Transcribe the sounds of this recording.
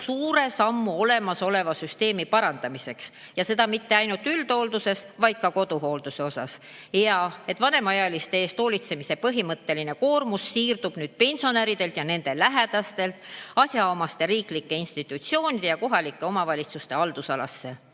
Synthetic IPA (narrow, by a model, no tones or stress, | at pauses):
suːɾe̞sɑmːuo̞le̞mɑso̞le̞vɑsyst̪e̞ːmipɑɾɑnd̪̥ɑmise̞ks | jɑse̞d̪ɑmit̪ːe̞ɑjnult̪ːyld̪̥o̞ld̪use̞svɑjd̪̥̚kɑko̞d̪uɦo̞ːld̪̥use̞o̞sɑs | jɑe̞t̪ːvɑne̞mɑjɑlist̪eeːst̪o̞ːlʲit̪se̞mise̞pɤɦimɤt̪ːe̞line̞ko̞ːrmusːiːrd̪̥ub̥nyːd̪̥̚pe̞nʲso̞neɾid̪e̞lt̪jɑne̞nd̪̥e̞læɦe̞d̪̥ɑst̪e̞lt̪ˑɑsʲjɑomɑst̪e̞ɾiːklikːe̞inst̪it̪ːˑut̪sio̞ːnʲid̪̥e̞jɑko̞ɦɑlikːˑe̞o̞mɑvɑlʲit̪sust̪e̞ɑld̪̥usɑlɑ̰sːe̞